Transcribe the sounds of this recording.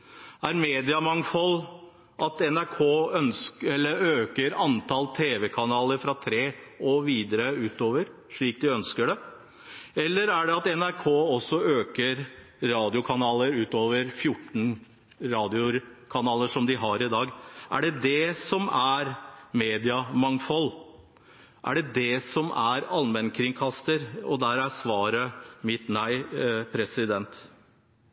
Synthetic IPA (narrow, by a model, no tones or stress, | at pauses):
æɾmeːd̪ɪɑmɑŋfɔl | ʔɑt̪ɛnæɾkʰoːœnskɛlːəɾøːkəɾɑnt̪ʰɑlt̪ʰeːʋɛkʰɑnɑːləɾfɾɑt̪ʰɾeːɔʋiːd̪əɾəʉːt̪oːʋəɾ | ʂɭiːk̚d̪ɪœnskəɖɛ | ɛlːəɾæɖɛɑt̪ɛnæɾkʰoːɔsːɔøːkəɾ | ɾɑːd̪ɪʊkʰɑnɑːləɾʉːt̪oːʋəɾfjʊʈːn̩ | ɾɑːd̪ɪʊɾkʰɑnɑːləʂɔmd̪ɪɦɑɾɪd̪ɑːɡʔæ̰ɖɛd̪ɛsɔmæɾmeːd̪ɪɑmɑŋfɔlː | ʔæ̰ɖɛd̪ɛsɔmæɾɑlmɛnkʰɾɪŋkʰɑst̪əɾɔd̪æɾæsʋɑːɾəmɪt̪næɪpʰɾɛsɪd̪ɛnt̪